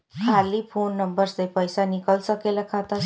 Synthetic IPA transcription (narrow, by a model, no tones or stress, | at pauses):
kʰaliːpʰonːəmbəɾsəjpəjsanikəlsəkeləkʰat̪a